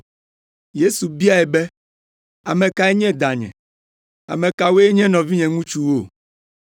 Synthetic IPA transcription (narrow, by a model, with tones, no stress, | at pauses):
je˦su˨bi˦a˦ɛ˨bɛ˦ | a˨mɛ̃˨ka˦e˦ɲɛ̃˦d̪a˨ɲɛ̰̃˨ | a̰˨mẽ˨ka˨we˦e˦ɲɛ̃˦nɔ̃˨vi˦ɲɛ̃˨ŋũ˦t͡ʃu˦wo˦˨